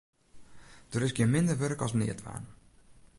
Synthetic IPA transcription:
d̥əɾɪsɡjɪəmɪndərʋørəkɔ̰snɪ̰ətʋa̰ːn

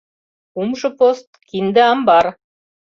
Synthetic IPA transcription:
umʃɨpost̪kʲind̪ɘɑmbɑɾ

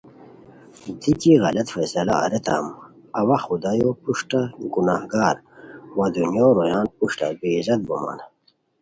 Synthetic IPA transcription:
d̪ikiɣɐ̰lɐt̪fɐsɐla̰ːɾet̪a̰m | ɐwaxud̪ajopuʂʈaɡunahɡaːɾwad̪unjoːɾojaːnpuʂʈa̰bezɐd̪̚buma̰n

